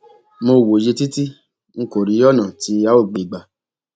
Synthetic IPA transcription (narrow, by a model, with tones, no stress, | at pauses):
mo˧˨wo˨je˧ti˦ti˦ | ŋ̩˦ko˨ɾi˨˦ɔ˦nã˨ti˧˦a˦o˦˨ɡ͡be˨i˨ɡ͡ba˨